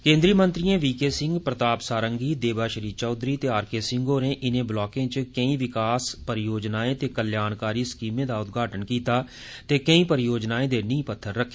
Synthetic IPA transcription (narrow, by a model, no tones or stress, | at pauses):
kẽːnd̪ɾiːmə̃nt̪ɾijãːʋiːkeːsɪ̃ŋɡpɾət̪aːpsaːɾəŋɡiːd̪eːbaːʃəɾiːt͡ʃɔːd̪ɾiːt̪eːaːɾkeːsɪ̃ŋɡoːɾẽːʔɪnẽːblɔːkẽːt͡ʃkəĩːʋɪkaːspəɾjoːd͡ʒnaːẽːt̪eːkəljaːnkaːɾiːskiːmẽːd̪aːʊt̪̚ɡʱaːʈənkiːt̪aː | t̪eːkəĩːpəɾjoːd͡ʒnaːẽːd̪eːnĩĩːpət̪ʰːəɾːəkʰːe̥